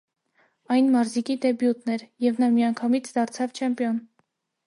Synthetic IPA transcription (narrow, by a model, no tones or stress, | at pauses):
ɑjnmɑɾzikid̪ɛbjut̪nɛɾjɛvnɑmiɑŋkʰɑmit͡sʰd̪ɑɾt͡sʰɑvt͡ʃʰɛmpjɔn